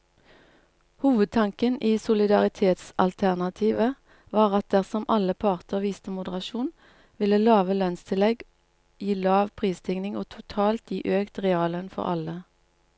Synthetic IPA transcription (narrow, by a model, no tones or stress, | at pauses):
huːʋəd̪̚t̪ʰɑŋkəniːsʊlɪd̪ɑʁɪt̪ʰeːt̪sɑ̰lt̪ʰæʁnɑt̪ʰiːʋə | ʋɑːʁɑt̪̚d̪æʁsɔmʔɑləpʰɑʁt̪ʰəʁʋiːst̪əmʊd̪əʁɑʃuːn | ʋɪləlɑːʋəlœnst̪ʰɪlɛɡ | jiːlɑːʋpʰʁiːst̪ʰɪŋnɪŋoːt̪ʰʊt̪ʰɑːlt̪jiːʔøːkt̪ʁɛɑːlənfɔ̰ʁɑ̰lə